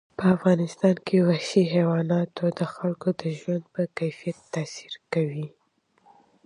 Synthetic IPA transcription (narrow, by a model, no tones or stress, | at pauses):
pəafɣɑnɪst̪ɑnkʰewaʃiɦewɑnɑt̪od̪əxalkod̪əʒwand̪̚pəkajfijat̪ːasiɾkawi